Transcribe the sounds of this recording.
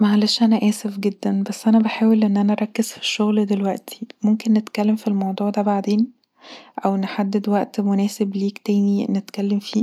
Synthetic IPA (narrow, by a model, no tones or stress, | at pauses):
mæʕalæːʃʔænæʔæːsefɡed̪ːænbæsːʔænæbeħaːwelʔenːʔænæʔɑɾˤɑkːez̥fi̥ʃːoɣld̪elwæʔt̪ʰi̥momkenːet̪kælːemfilmɑwd̪ˤuːʕd̪æbaʕd̪eːn | ʔæwnħad̪ːed̪wæʔt̪monæːsebliːkt̪æːninːet̪kælːemfiː